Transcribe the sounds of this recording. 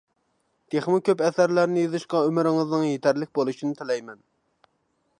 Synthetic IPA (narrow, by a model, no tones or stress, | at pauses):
t̪ʰeχmɨkʲʰøpɛsæɾlæɾnɪjɨzɨʃqɑømɪɾɪŋɨznɨŋjet̪ʰæɾlɪk̚ʲbolˠuʃinɪt̪ʰɪlɛjmɛn